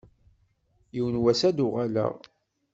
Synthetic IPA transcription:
jiwənwæsæd̪ʊʁælæ̰ʁ

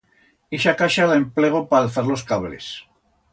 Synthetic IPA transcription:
eʃakaʃalaempleɣ̞opaːlθaɾlo̞skaβlḛs

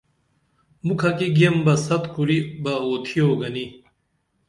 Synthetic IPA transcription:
mukʰakiɡijɐmbɐsɐt̪kuɾibɐoːt̪ʰioːɡɐni

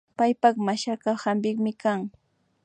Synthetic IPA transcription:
pajpaχmaʃakahambɪkmɪkaŋ

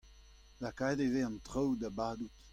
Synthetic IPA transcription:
lakadeveɑ̃nt̪ʁɔwd̪abaːd̪ut̪

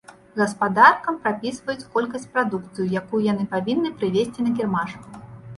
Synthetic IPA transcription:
ɣɐspad̪arkɐmpɾapʲisvɐjut͡sʲkɔlʲkɐsʲt͡sʲpɾad̪ukt̪sɨjujakujujan̪ɨpavʲinːɨpɾɨvʲesʲt͡sʲinɐkʲɛrmaʂu

